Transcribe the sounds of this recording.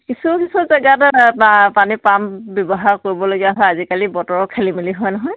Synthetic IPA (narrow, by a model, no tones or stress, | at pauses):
kisukisuzɛɡatapanipambɔbɔɦaɹkoɹibɔloɡijaɦɔjazikalibɔtɔɹɔkʰelimiliɦɔjnɔɦɔj